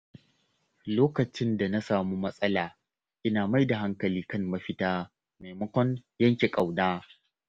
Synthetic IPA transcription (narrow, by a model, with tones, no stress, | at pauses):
loː˦kɐ˨t͡ʃɪ˦nda˨na˦saː˨muː˦mɐ˦sʼɐ˦laː˨ | ʔɪ˦naː˨ma˦jda˨ɦa˦ŋkɐ˨liː˦kɐ˦ŋmɐ˦ɸɪ˦taː˦ | me˨mɐ˦kʷɔ˦njɐ˦ŋkʲe˨kʼa˨wnaː˦